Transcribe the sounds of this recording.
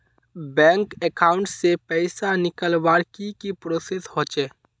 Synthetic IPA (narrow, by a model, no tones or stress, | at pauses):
bɛ̃ːŋkekaːʊ̃ɳʈsepɛɪsanɪkəlʋaːɾkikipɾoːseshoːt͡ʃeː